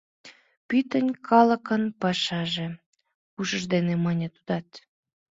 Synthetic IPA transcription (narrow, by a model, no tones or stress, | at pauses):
pyt̪ənʲkʰɑlə̆kənpɑʃɑʒe | puʃəʒd̪enemɑnʲət̪ud̪ɑt̪